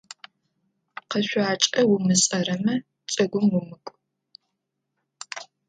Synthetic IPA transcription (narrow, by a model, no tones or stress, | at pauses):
qɐɕʷaːt͡ʃʼɐwʊmɨsʼɐrɐmɐ | t͡sʼɐɡʷʊmwʊmɨkʷʼ